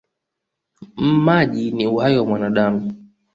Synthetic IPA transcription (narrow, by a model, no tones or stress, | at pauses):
mmaʄiniuhaiwamwanaɗamu